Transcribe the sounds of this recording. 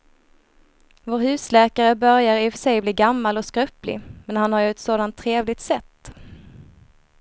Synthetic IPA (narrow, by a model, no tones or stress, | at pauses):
voːɾɦʉ̟ːslɛːkaɾəbœɾjaɾɪfœ̥ʂɛjbliːɡamːalɔskɾœplɪ̰mɛnhanhaɾjɵɛt̪soːd̪ant̪ʰːɾeːvlɪt̪sɛt̪ː